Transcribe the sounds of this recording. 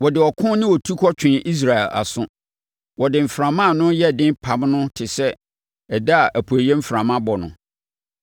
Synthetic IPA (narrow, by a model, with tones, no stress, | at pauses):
wɔ˨dɪ˨ɔ˨kʰʊ̃˦nɪ̃˦wɔ˨tʰu˦kʰɔ˦t͡ɕʰᶣɪ̃˨ʔi˦s̬ɾa˨ɛ˨la̰˨sʊ̃˦ | wɔ˨dɪ˨m̩˨fɾã˨mã˦˨nʊ̃˦jɛ˦˨dɪ̃˦mpʰa˨˦mnʊ̃˦tʰɪ˨sɛ˦ | ɛ˨da˦a˨ʔæ˨pʰu˨æ˨jɛ˦m̩˦fɾã˨mã˦bɔ˨nʊ̰̃˨